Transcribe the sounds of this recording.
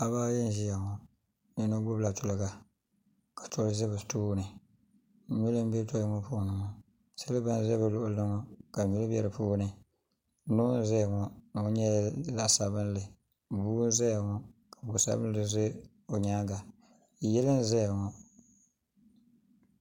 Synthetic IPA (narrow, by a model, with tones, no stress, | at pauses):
a˨baː˦jɛ˦n˦ʒi˦ja˨ŋɔ˨ | jɛ˨no˦ɡ͡bʊ˦bla˨tʊ˨lɨ˨ɡa˨ | kḁ˨tʰɔ˦ɾzɪ˦bɨ˨tuː˦nɨ˨ | ɲu˦lɨ˦m˦bɛ˦tɔ˦lŋɔ˦pu˦˨nɨ˨ŋɔ˦ | sa˦lɨ˦ba˦n˦zɛ˦bɨ˨lʊ˦ʔʊ˦˨lɨ˦ŋɔ˦ka˨ɲu˦lɨ˦bɛ˦ɾɨ˨puː˦nɨ˨˦ | noː˦n˦zɛ˦a˨ŋɔ˨˦n˨˦ɲɛ˦˨za˦ʔsa˨bɨ˦n˦lɨ˨ | buː˦n̩˦zɛ˦a˨ŋɔ˦ka˨a˨bʊ˨sa̰˦bɨ˦n˦lɨ˦ze˦ | o˨ɲaː˦ɡa˨ | jɛ˦lɨ˦n˦zɛ˦ja˨ŋɔ˨